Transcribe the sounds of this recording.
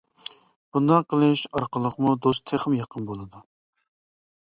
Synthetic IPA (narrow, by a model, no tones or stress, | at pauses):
b̥und̪ɑqəlˠɨʃɑɾqəlˠəqmud̪ost̪ʰeχəmjɑqʰənbolˠɨd̪u